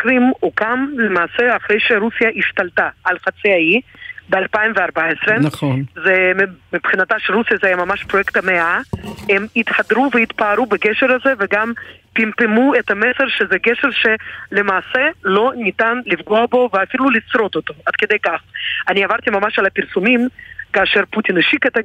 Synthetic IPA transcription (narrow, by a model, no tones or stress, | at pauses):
kɾimukamlemaːseaχɾejʃeɾusijaʔiʃt̪alt̪aʔalχat͡siaibealpaimveaɾbaesɾenaonzemmipχinat̪aʃeɾusijazeajamamaʃpɾojekt̪ameaemit̪ħad̪ɾuveit̪paːɾubeɡeʃeɾazeveɡampimpemuet̪ameseɾʃezɛɡeʃeɾʃelemaːselo̞nit̪anlifɡoabo̞veafilulit͡sɾo̞t̪ot̪oad̪ked̪ejkaχaniavaɾt̪imamaʃalapiɾsumimkaːʃeɾput̪ineʃiket̪a